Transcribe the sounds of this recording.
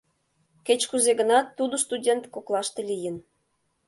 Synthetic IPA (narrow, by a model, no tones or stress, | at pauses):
ket͡ɕkuzeɣənɑt̪ːud̪ost̪udʲent̪koklˠɑʃt̪elʲijən